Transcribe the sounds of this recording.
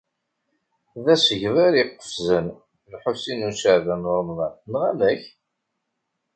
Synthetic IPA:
ðæsəʝvæɾiqːə̥fzən | lħosinusəʕðænʊɾˤmðˤɑnθnʁælæç

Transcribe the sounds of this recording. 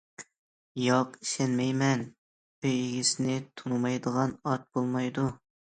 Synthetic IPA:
jɑqi̥ʃɛnmɛjmɛn | øjiɡʲisnɪt̪ʰumɑjd̪əʁɑnɑt̪̚bolˠmɑjd̪u

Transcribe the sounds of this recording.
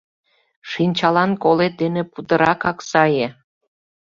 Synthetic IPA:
ʃinʲt͡ɕɑlɑnkolet̪̚d̪enĕpud̪əɾɑkɑksɑje

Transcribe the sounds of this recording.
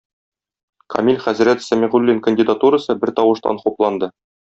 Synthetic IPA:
kʰɐ̰mʲilʲχæzɾæt̪sæmʲiʁʉlʲːiŋkə̆nʲdʲɪd̪at̪uɾəsɤbɘɾt̪ɒwɤ̆ʃt̪ɑ̰nχuplˠɑnd̪ɤ

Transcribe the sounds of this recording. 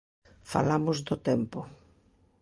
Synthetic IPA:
fa̰lamʊzd̪ʊt̪ɛmpʊ

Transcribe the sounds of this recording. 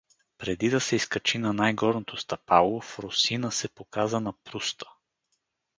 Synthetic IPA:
pɾɛd̪id̪ɐsɛiskɐt͡ʃinɐnajɡɔɾnot̪ʰost̪ɐpalˠofɾosinəsɛpokazənɐpɾust̪ə̥

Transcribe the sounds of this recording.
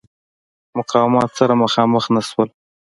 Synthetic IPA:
mʊqɑwɪmɑt̪saɾamaxɑməxnaʃwəl

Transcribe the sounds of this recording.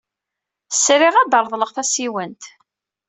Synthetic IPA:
sɾiʁæd̪əɾˤðˤləʁθæsiwənt̪

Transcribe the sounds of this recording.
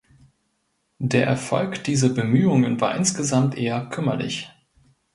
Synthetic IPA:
d̥eːɐʔɛɐfɔ̰lkd̥iːzɐbəmyːʊŋənva̰ːɐʔɪnsɡ̥əzamtʔeːɐkʰʏmɐ̰lɪ̰ç

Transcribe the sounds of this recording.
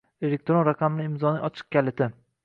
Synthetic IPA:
elek̚ʲt̪ɾonɾaqʰɑmnɪɪmzɒnɪʔɒt͡ʃʰɨ̥q̚kʲalɪt̪ʰɪ

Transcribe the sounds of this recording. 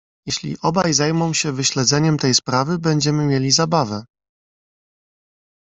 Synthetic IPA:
jɛɕlʲḭʔɔbajzajmɔ̃w̃ɕɛvɘɕlɛd̪zɛɲɛmt̪ɛjspɾavɘbɛɲd͡ʑɛmɘmʲjɛlʲizabavɛ

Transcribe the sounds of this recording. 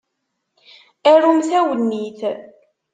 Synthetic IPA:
æɾumθæwənːiθ

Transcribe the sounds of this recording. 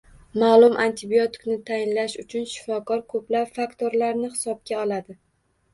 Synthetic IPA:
maːlˠʊmʔant̪ʰɪbiot̪ʰɪ̥knɪt̪ʰajɪnlaʃʊt͡ʃʰʊnʃɪ̥fɒkʰɒɾkʰɵplapfakt̪ʰoɾlaɾnɪhɪ̥sɒb̚ɡʲaɒlˠad̪ɪ

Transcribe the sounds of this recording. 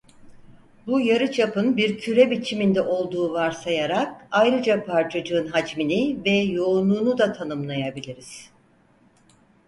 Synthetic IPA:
bujaɾɯt͡ʃʰapɯnbiɾcʰyɾɛbit͡ʃʰimind̪ɛʔo̞lˠd̪uːvaɾsajaɾak̚ajɾɯd͡ʒapʰaɾt͡ʃʰad͡ʒɯːnɦad͡ʒminivɛjo̞ːnuːnud̪at̪ʰanɯmlˠajabilʲiɾiz̥

